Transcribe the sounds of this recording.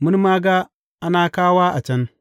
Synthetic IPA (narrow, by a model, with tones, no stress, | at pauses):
mu˦n˦ma˦ɡa˦ | ʔa˦naː˨kaː˦wa˦ʔa˨t͡ʃɐ˦n